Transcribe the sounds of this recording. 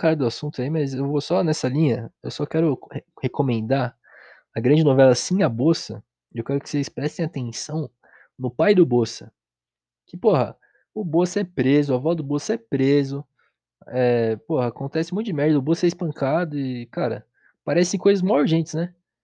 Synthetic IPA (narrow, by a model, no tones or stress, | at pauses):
kaɾɐd̪ʊasũnt̪ʊaimɐzewvosɔnɛsɐlĩɲɐewsɔkɛɾʊhekomẽnd̪aɾ | ɐɡɾɐ̃d͡ʒɪnovɛlɐsĩɐbosɐ̰ | ewkɛɾʊkɪ̥sezspɾɛst̪ẽj̃at̪ẽsɐ̃w̃ | nʊpajd̪ʊbosɐ̥ | kɪpoɦɐ | ʊbosɐɛpɾezʊɐvɔzd̪ʊbosɐɛpɾezʊ | ɛpohɐakõnt̪ɛsɪmũt̪ʊd͡ʒɪmɛɾd̪ɐɐʊbosɛɪspɐ̃ŋkad̪ʊɪkaɾɐ̰ | paɾɛsẽj̃kojzɐzmawʊɾʒẽnt͡ʃ̪ɪsnɛ